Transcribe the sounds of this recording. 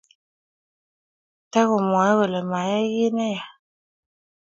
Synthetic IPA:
tɛ˦ɣʊ˨mwa˨˦wə˨lə˨ma˨˦jɛ˦ɣi˦nɛ˦ja˨

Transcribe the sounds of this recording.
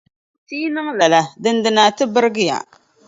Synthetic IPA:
tiː˦nɨ˦ŋla˨la˨dɨ˨ndɨ˨na˨tɨ˦bɨ˦ɾɡɨ˦ja̰˨

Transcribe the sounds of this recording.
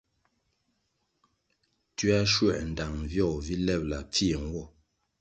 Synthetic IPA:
tɥa˦ʃwɛ˨n̩˨da˨ŋvjɔ˦˨vi˦lɛ˦˨p̚la̰˨p͡fi˦˨ŋ˨˦wɔ˦˨

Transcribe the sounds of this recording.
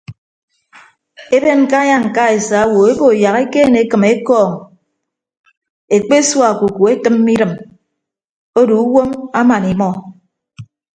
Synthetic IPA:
e˦be˦n˨ka˦ɲa˦ŋ̩˨ka˦e˨sa˨˦wo˨e˦bo˨ja˨ɣe˦keː˦˨ne˨˦kɨ˨me˦kɔː˦˨ŋ | e˨k͡pe˦swa˨ku˨ku˨e˦tɨ˦mːi˦ɾɨ˨m | o˦du˨u˦wo˦ma˦ma˨ni˨mɔ˦

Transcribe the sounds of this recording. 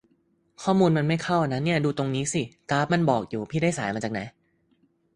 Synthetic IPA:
kʰɔː˥˩muː˧nma˧nma˥˩jkʰa˥˩wʔa˧na˦˥nːi˥˩ɐduː˧t̪o˧ŋniː˦˥si˧˩kaː˦˥p̚ma˧nbɔː˨˩k̚juː˨˩pʰiː˥˩da˥˩jsaː˩˦jmaː˧t͡ɕa˨˩na˦˥j

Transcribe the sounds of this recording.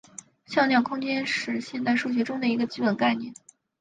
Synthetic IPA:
ɕjɑ˥˧ljɑ˥˩ŋkʰʊ˥ŋt͡ɕjɛ˥nʂɻ̩˥˧ɕjɛ˥˧nt̪a˥˧ɪʂu˥˩ɕ̬ɥɛ˧˥ʈ͡ʂʊ˥ŋd̪ə˨i˧˥ɡə˧t͡ɕi˥pə˨˩nka˥˧ɪnjɛ̰˥˩n

